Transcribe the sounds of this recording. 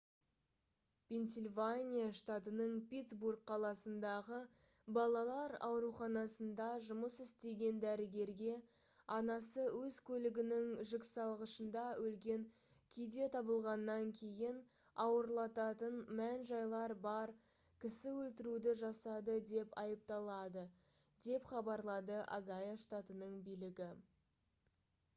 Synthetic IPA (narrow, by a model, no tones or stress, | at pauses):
pʲʰe̞nsʲelʲvanʲijaʃt̪at̪ənəɴpʲit̪sburkqʰɑlˠɑsənd̪ɑʁə | bɑlˠɑlˠɑɾɑ̰wɾuχɑnɑsənd̪ɑʒʊməsɪst̪e̞ɡʲe̞nd̪æɾɪɡʲe̞ɾɡʲe̞ | ɑnɑsəwɵzkʲʰɵlɪɡʲɪnɪŋʒɪksɑlˠʁəʃənd̪ɑwɵlɡʲe̞ŋ | kʲʰijd̪e̞t̪ʰɑbəlˠʁɑnːɑŋkʲʰe̞jɪn | ɑwəɾlˠɑt̪ɑt̪ənmænʒɑjlˠɑɾbɑɾ | kʲʰɪsɪwɵlt̪ɪɾud̪ɪʒɑsɑd̪əd̪e̞pɑjəp̚t̪ɑlˠɑd̪ə | d̪e̞pχɑbɑɾlˠɑd̪əʔa̰ɡajaʃt̪at̪ənəɴbijlɪɡʲɪ